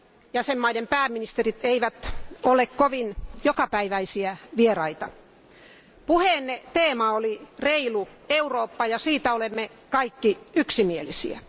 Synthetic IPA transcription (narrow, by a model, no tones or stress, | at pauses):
jæsemːɑidempæːmminist̪erit̪eiʋæt̪olekkoʋinjokɑpæiʋæisiæʋierɑit̪ɑ | puheːnːet̪eːmɑolireilueuroːpːɑjɑsiːt̪æolemːe | kɑikːiyksimielisḭæ̰